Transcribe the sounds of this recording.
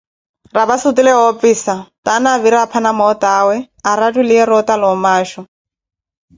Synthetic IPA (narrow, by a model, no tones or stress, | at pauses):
rabasʊtilɛopfiːsatanaβiɾiapʰanamɔtaːwɛ | aɾatʼulɪɛɾɔtalɔmaːʃɔ